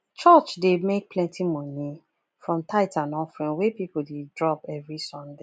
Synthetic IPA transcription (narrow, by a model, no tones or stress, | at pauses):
t͡ʃɔt͡ʃdemek̚pʰlɛ̃ntʰimɔ̃ni | fɹɔ̃mtʰaɪtãnɔ̃nfɹɛ̃nwepipodedɹɔpɛvɹisɔ̃nde